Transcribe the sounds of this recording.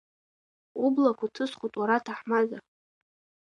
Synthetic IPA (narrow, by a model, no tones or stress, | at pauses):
ublakʷʰatʰɨsχʷutʼwaɾatʰaħmaza